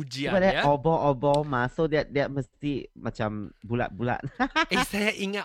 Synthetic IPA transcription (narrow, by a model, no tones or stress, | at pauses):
ud͡ʒiabadɛɔbɔʔɔbɔmãsodɛt̚dɛt̚məst̪imat͡ʃãmbula̰t̪̚bula̰t̚esajaʔiŋa